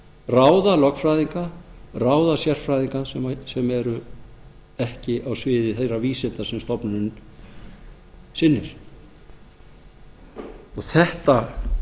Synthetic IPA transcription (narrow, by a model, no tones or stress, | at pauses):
raːwðalɔkfɾajðiŋkaraːwðasjɛr̥fɾajðiŋkasɛmasɛmɛɾʏ | ɛhcɪʔawsvɪːðɪθejraviːsɛnt̪asɛmst̪ɔpnʏn | sɪnːɪɾ̥ | ɔɣθɛht̪a